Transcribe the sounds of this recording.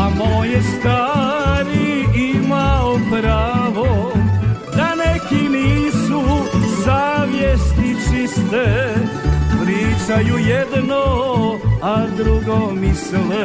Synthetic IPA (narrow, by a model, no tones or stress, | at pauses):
amojɛst̪aːɾiimaopɾaːʋo | d̪anekiniːsuzaːʋjest̪it͡ʃist̪e | pɾiːt͡ʃajujɛd̪no | ad̪ɾuɡomislɛ